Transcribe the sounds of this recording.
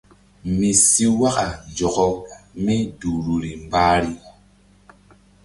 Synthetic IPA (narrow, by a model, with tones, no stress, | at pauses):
mi˨si˦wa˦ka˨nd͡ʒɔ˨kɔ˦mi˦du˨ɾu˨ɾi˨m˨baː˦ɾi˨